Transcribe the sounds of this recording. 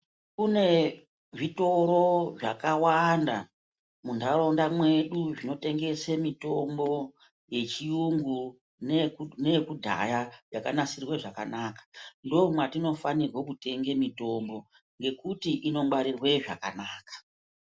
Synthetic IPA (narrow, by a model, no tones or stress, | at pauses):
kune̞ | ʐito̞ɾo̞ʐa̰kawanda | mundarondamwe̞ɗuʐino̞te̞ŋɡe̞semito̞mbo̞ | je̞t͡ʃijuŋɡu | nenekudʱa̰jajakanasirwe̞ʐaka̰naːkḁndo̞umwatino̞fanirwokute̞ŋɡe̞mito̞mbo̞ | ŋɡe̞kutiʔino̞ŋɡwaɾirwe̞ʐa̰ka̰naːkḁ